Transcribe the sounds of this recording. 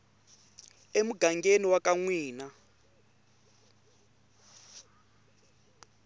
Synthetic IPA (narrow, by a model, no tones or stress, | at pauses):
emuɡʱaŋɡeniwakaŋwiːna